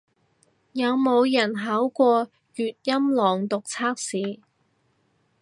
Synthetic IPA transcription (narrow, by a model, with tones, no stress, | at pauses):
jɐ˨˧wmo˨˧wjɐ˨˩nɦaː˨˥wkʷɔː˧ | jyː˨t̚jɐ˥mlɔː˨˩ŋt̪ʊ˨k̚t͡sʰaː˥k̚siː˨˧